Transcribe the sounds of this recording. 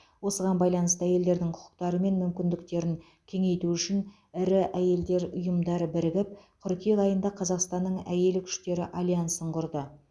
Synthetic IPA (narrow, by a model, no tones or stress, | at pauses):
wo̞səʁɑnbɑjlˠɑnəst̪əæje̞ld̪e̞ɾd̪ɪŋqʰʊ̥qʰʊ̥qt̪ɑɾəme̞nmʏmkʲɪnd̪ɪkt̪e̞ɾɪŋ | kʲʰe̞ŋe̞jt̪uʏʃɪn | ɪɾɪʔæje̞ld̪e̞ɾʊjəmd̪ɑɾəbɪɾɪɡʲɪp̚qʰʏɾkʲeʁɑjənd̪ɑqʰɑzɑqst̪ɑnːəɴæ̰je̞lɪkʲʰʏ̥ʃt̪e̞ɾɪʔalʲˠijansəɴqʰʊɾd̪ə